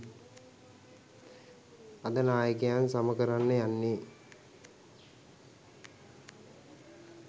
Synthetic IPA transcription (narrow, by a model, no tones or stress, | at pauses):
ad̪ənaːjəkejansaməkəɾanːəjanːi